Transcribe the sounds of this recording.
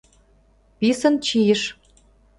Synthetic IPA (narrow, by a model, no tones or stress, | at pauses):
pisə̆nt͡ɕijə̆ʃ